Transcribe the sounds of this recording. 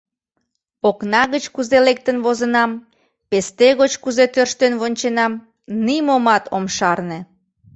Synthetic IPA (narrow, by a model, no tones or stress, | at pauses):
oknɑɣət͡ɕkuzelek̚t̪ənβozənɑm | pest̪eɣot͡ɕkuzet̪ørʃt̪enβonʲt͡ɕenɑm | nimomɑt̪ʰomʃɑrne